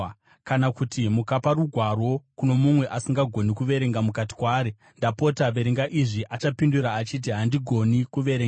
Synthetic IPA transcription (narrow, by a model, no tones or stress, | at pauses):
kanakutimukapaɾuɡʱwaro̞kuno̞mumwe̞ʔasiŋɡaɡʱo̞nikuʋe̞ɾe̞ŋɡamukati̥kwaːɾe | ndapo̞taʋe̞ɾiŋɡaʔiʐiʔat͡ʃapinduɾaːt͡ʃit̬iɦandiɡʱo̞nikuʋe̞ɾeŋɡa